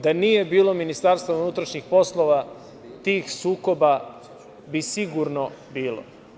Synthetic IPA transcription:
d̪anije̞biːlˠominist̪aɾst̪vounut̪ɾaʃɲixpo̞slˠoʋa | t̪iːxsuːko̞ba | bisiɡuɾnobiːlˠo̰

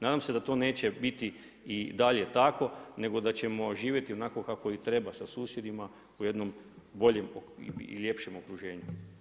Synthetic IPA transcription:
naːd̪amse̞d̪at̪o̞ːne̞ːt͡ɕe̞bit̪i | id̪aʎe̞t̪ako̞ne̞ɡo̞d̪at͡ɕe̞mo̞ʒiːʋje̞t̪io̞naːko̞kako̞it̪ɾe̞basasuːsjed̪ima | uje̞d̪no̞mbo̞ʎe̞moilʲje̞pʃe̞mo̞kɾuʒe̞ːɲu

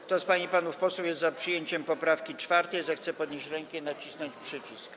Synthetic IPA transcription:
t̪ɔspaɲipanufpɔsɛjɛst̪zapʂɘjeɲt͡ɕɛmpɔpɾafkʲit͡ʂfaɾt̪ɛjzɛxt̪sɛpɔd̪ɲeɕt͡ɕɾɛŋkɛinat͡ɕisnɔɲt͡ɕpʂɘt͡ɕisk

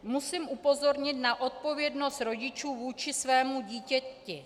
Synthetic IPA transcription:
musiːmʔupo̞zo̞ɾɲɪt̪naʔo̞t̪̚po̞vjɛdno̞st̪ɾo̞ɟɪt͡ʃuːvuːt͡ʃɪsvɛːmuɟiːcɛcɪ

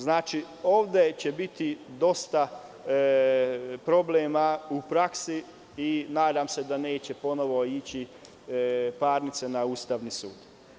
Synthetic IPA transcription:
znaːt͡ʃi | o̞ːʋd̪e̞t͡ɕe̞bit̪id̪o̞st̪a | pɾo̞bleːmaupɾaksi | inaːd̪aːmse̞d̪ane̞ːt͡ɕe̞po̞no̞ʋo̞it͡ɕi | paːɾnit̪senauːst̪aʋnisuːd̪

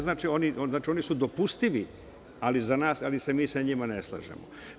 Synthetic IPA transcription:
znaːt͡ʃionioznaːt͡ʃio̞nisud̪o̞pust̪iʋi | alizanaːsalisemiːsaɲimaneslˠa̰ʒḛmo̰

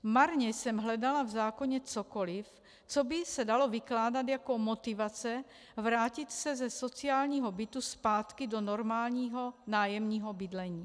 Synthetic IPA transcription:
maɾɲɛjsɛmɦlɛdalavzaːkoɲɛt͡sokolɪf | t͡sobɪsɛdalovɪklaːdat̪jakomot̪ɪvat͡sɛ | vɾaːcɪt̪sɛzɛsot͡siaːlɲiːɦobɪt̪uspaːt̪kɪdonoɾmaːlɲiːɦo̞naːjɛmɲiːɦobɪdlɛɲiː

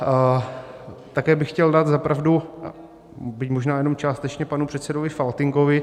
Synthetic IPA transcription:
t̪akɛːbɪxːcɛldaːt̪zapɾavdu | bɪcmoʒnaːjɛno̞mt͡ʃaːst̪ɛt͡ʃɲɛpanupr̥ɛt̪sɛdovɪfalt̪ɪŋkovɪ

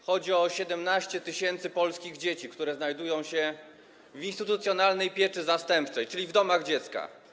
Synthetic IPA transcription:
xɔd͡ʑiɔɕɛd̪ɛmnaɕt͡ɕɛt̪ɘɕɛnt̪sɘpɔlskʲiɣd͡ʑet͡ɕikt̪uɾɛznajd̪ujɔ̃w̃ɕɛ | vʲinst̪ɘt̪ut̪sʲjɔnalnɛjpʲjɛt͡ʂɘzast̪ɛmpt͡ʂɛjt͡ʂɘlʲivd̪ɔmaɣd͡ʑɛt̪ska̰

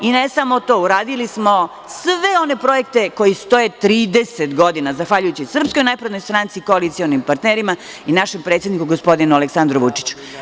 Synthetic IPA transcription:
inesamo̞t̪o̞ːuɾaːd̪ilismo̞ | sʋeo̞ne̞pɾo̞je̞k̚t̪e̞ko̞jist̪o̞jet̪ɾiːd̪eset̪ɡo̞d̪inazaxʋaʎujut͡ɕisr̩psko̞jnajpɾed̪nojst̪ɾant̪sikoalit̪sionimpaɾt̪neɾima | inaʃempɾet̪sjed̪nikuɡospo̞d̪inualeksand̪ɾoʋut͡ʂi̥t͡ɕu̥

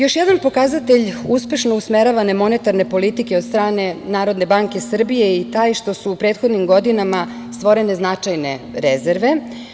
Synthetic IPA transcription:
jo̞ʃjɛd̪anpo̞kazat̪eʎuspe̞ʃno̞usmeɾaʋane̞mo̞net̪aɾne̞po̞lit̪ikeo̞d̪st̪ɾaːne̞naːɾo̞d̪ne̞baŋke̞sr̩bije̞it̪aːjʃt̪o̞suːpɾe̞ːt̪xod̪nimɡo̞d̪inama | st̪ʋo̞ɾe̞ne̞znat͡ʂajneɾezeɾʋe̞

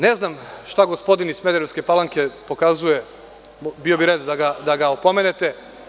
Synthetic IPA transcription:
ne̞znamʃt̪aɡospo̞d̪inizmed̪eɾeske̞palaŋke̞po̞kazuje̞ | bio̞biɾed̪d̪aɡad̪aɡaopo̞me̞ne̞t̪e̞

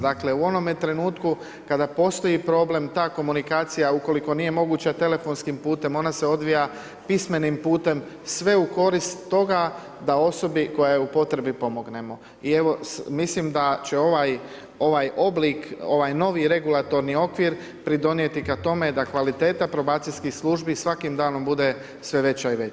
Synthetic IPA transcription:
d̪akle̞uo̞no̞mjet̪ɾe̞nuːt̪ku | kad̪apo̞ːst̪o̞jipɾo̞ːble̞mt̪aːko̞munikaːt̪sijauko̞liko̞nije̞mo̞ɡuːt͡ɕat̪e̞le̞fo̞nskimpuːt̪e̞mo̞nase̞o̞d̪ʋija | pisme̞nimpuːt̪e̞m | sʋe̞uko̞ɾist̪ːo̞ɡa | d̪ao̞so̞biko̞jajupo̞t̪ɾe̞bipo̞mo̞ɡne̞mo̞ | ie̞ʋo̞mislimd̪at͡ɕe̞o̞ʋaj | o̞ʋajo̞bliko̞ʋajno̞ʋiɾe̞ɡulat̪o̞ɾnio̞kʋiɾ | pɾid̪o̞nje̞t̪ikat̪o̞me̞d̪akʋalit̪e̞ːt̪apɾo̞baːt̪silskixslˠuʒbisʋakimd̪aːno̞mbud̪e̞ | sʋe̞ʋe̞t͡ɕaiʋe

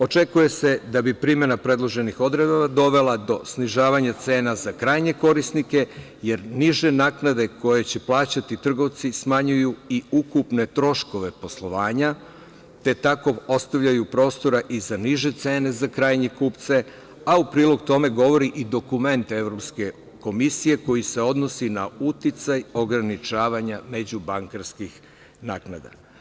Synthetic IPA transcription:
o̞t͡ʃe̞kuje̞se̞d̪abipɾime̞napɾe̞d̪lˠo̞ʒe̞nixo̞d̪ɾed̪baʋad̪o̞ʋe̞lˠad̪o̞sniʒaːʋaɲat̪se̞ːnazakɾajɲe̞ko̞ɾisnike | je̞ɾniʒe̞naːknad̪e̞ko̞je̞t͡ɕe̞plˠaːt͡ɕat̪it̪r̩ɡo̞ʋt̪sismaɲujuiukupne̞t̪ɾo̞ʃko̞ʋe̞po̞slˠo̞ʋaːɲa | t̪e̞t̪ako̞o̞st̪aʋʎajupɾo̞ːst̪o̞ɾaʔizaniʒe̞t̪se̞ːne̞zakɾaːjɲekuːpt̪se̞ | aupɾiːlo̞ɡt̪o̞me̞ɡo̞ʋo̞ɾiʔid̪o̞kume̞nt̪ee̞ʋɾo̞pske̞ | ko̞misije̞ko̞jise̞o̞d̪no̞sinaut̪it̪sajo̞ɡɾanit͡ʃaːʋaɲame̞d͡ʑubaŋkaɾskix | naːknad̪a̰

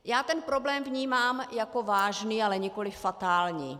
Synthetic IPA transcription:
jaːt̪ɛnpɾo̞blɛːmvɲiːmaːmjakovaːʒnialɛɲɪko̞lɪfːat̪aːlɲḭː

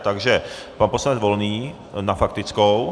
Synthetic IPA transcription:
t̪aɡʒɛpanposlanɛd͡zvo̞lniː | nafak̚t̪ɪt͡skow

